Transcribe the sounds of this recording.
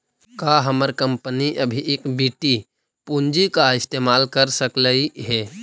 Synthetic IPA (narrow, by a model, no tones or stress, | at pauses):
kaɦəməɾkəmpəniʔəbʱiʔeːkbiʈi | pund͡ʒikaɪst̪eːmaːlkəɾsəkləiɦɛː